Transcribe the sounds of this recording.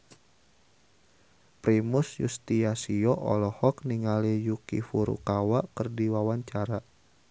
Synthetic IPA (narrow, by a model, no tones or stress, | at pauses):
pɾimusjṵst̪iasiɔʔɔ̰lɔhɔkniŋalijukḭfuɾṵkawaʔkərdiwawaɲt͡ʃaɾa